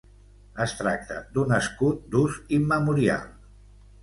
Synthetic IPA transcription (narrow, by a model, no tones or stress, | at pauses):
əst̪ɾak̚t̪ə̰d̪unəskut̪̚d̪uzimːəmuɾia̰lˠ